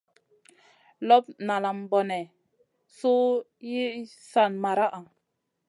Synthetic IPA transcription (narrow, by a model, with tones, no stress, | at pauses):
lɔ˦p̚na˨la˨mbɔ˨nɛ˨ | so˦ | ji˦ | sa˦˨nma˨ɾa˦ʔa˨ŋ